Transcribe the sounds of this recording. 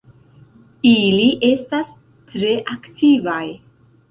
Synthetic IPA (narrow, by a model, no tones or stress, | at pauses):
iliʔe̞stas | tɾe̞ʔaktʰivaj